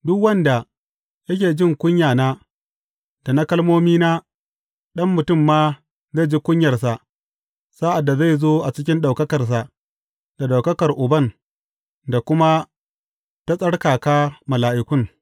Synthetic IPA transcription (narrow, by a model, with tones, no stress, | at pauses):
dʊ˦kwɐ˦nda˨ | jɐ˦kʲeː˨d͡ʒɪ˦ŋkʷʊ˦ɲjaː˨naː˦ | d̥a˨na˦kɐ˦lmoː˦miː˦naː˦ | ɗɐ˦mːʊ˨tʊ˦˨mːaː˦ | za˦˨d͡ʒi˦kʷʊ˦ɲjɐ˨rs̬a˨ʔ | saː˦ʔa˨dːa˨za˦˨jzoː˦ʔa˨t͡ʃɪ˦kʲɪ˦nɗa˨wkɐ˦kɐ˨rs̬a˨ʔ | d̥a˨ɗa˨wkɐ˦kɐ˨rʔʊ˨bɐ˦˨n | da˨kʷʊ˦ma˦ | ta˦sʼɐ˦ɽkaː˨kaː˦mɐ˨laː˨ʔɪ˨kʷʊ˦ŋ